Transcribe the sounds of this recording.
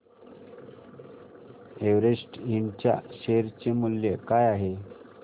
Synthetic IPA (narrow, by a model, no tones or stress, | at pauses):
eʋɾesʈint͡ɕja̰ɕeɾt͡ɕemuljekajaɦe